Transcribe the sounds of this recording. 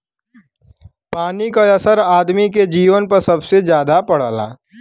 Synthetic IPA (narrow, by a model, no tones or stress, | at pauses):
paːnikaɐsəɾaːd̪miked͡ʒiːʋənpɐɾsɐbsezjaːd̪apɐɽ̤ala̰ː